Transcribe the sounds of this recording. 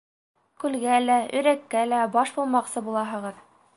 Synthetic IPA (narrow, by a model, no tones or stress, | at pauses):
kʉlɡælæɵ̆ɾækːælæbɑʃbulˠmɑqsɤbulˠɑɦɤ̆ʁɤð